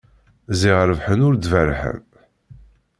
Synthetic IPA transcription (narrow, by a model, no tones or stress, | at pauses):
ziʁəɾəvħənʊɾd̪vərħə̰m